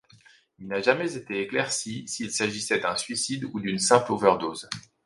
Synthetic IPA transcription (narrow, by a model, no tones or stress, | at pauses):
ilnaʒamɛzet̪eeklɛʁsisilsaʒisɛd̪ɛ̃sɥisid̪ud̪ynsɛ̃plovœʁd̪oz